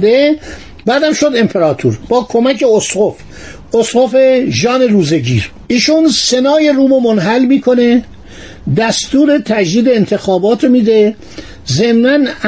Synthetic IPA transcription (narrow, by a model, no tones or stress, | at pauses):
d̪e | bæːd̪æmʃo̞d̪e̞mpʰeɾɒːt̪ʰṵɾb̥ɒːkʰomæcʰe̞osɢof | ʔosɢofeʒɒːne̞ɾuːze̞ɟiːɾʔiːʃunsenɒːje̞ɾuːmomonɦælmiːkʰone̞ | d̪æst̪uːɾe̞t̪ʰæd͡ʒd̪iːd̪eːnt̪ʰe̞xɒːbɒːt̪ʰɾomiːd̪e̞ | ze̞mnæn